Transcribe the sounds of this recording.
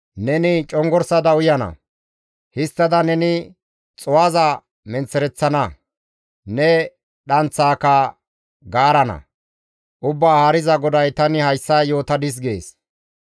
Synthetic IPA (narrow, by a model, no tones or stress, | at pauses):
nɛnɪt͡ʃʼɔŋɡɔɾsɐd̪ɐʊjɐnɐ̰ | hɪst̪ːɐd̪ɐnɛnɪ | t͡sʼɔwaːzɐ | mɛnt͡sːɛɾɛt͡sːɐnɐ | nɛ | ɗɐnt͡sːaːkɐ | ɡaːɾɐnɐ̰ | ʔʊbːaːhɐɾɪzɐɡɔd̪ɐjt̪ɐnɪhɐjsːɐjo̞ːt̪ɐd̪ɪs̬ɡḛːs